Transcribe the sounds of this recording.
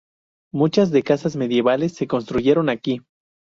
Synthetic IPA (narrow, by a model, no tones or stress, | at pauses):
mut͡ʃazðe̞kasazme̞ðje̞βale̞sːe̞ko̞nst̪ɾuʝe̞ɾo̞naki